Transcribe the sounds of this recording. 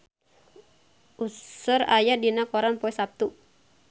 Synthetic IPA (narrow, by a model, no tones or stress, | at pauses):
ʔusʊɾajadinakɔɾanpɔɛsap̚t̪u